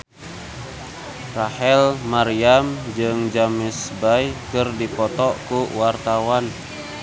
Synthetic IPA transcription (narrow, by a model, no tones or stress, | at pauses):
rahɛlmaɾiamd͡ʒɨŋd͡ʒamɪsbajkɨrdipɔt̪ɔkuwart̪awan